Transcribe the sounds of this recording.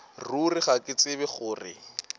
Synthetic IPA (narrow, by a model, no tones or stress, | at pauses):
rurɪχakʼɪt͡sʼɪbɛχʊːrɪ̰